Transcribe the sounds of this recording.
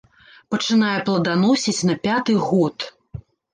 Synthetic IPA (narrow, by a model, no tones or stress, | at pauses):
pɐt͡ʂɨnajɛplˠɐd̪anɔsʲit͡sʲnɐpʲat̪ɨɣɔt̪